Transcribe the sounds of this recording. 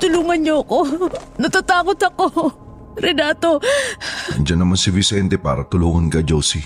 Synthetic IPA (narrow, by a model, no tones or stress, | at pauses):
t̪ʊluːŋɐnɲoɐko̞nɐt̪at̪aːkot̪ɐko̞ | ɾɛnaːt̪o̞ | ɐ̰d͡ʒɐnːɐmansɪvɪsɛnt̪ɛpa̰ːɾɐt̪ʊluːŋɐnkɐd͡ʒowsi